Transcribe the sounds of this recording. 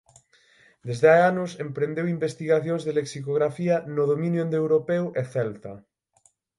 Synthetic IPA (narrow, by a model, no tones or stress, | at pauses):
d̪ezðeajanosempɾend̪ewimbest̪iɣaθjonzðeleksikoɣ̞ɾafianoð̞omĩnjoẽnd̪ewɾopewʔeθɛlt̪a